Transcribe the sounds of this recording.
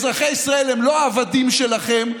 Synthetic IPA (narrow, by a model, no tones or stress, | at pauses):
zʁaχeisʁae̞lemlo̞aːvad̪imʃe̞laχe̞m